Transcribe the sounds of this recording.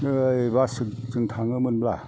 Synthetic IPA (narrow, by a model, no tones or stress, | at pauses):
nɯbasɯksɯŋt̪ʰaŋɯmɯnbla̰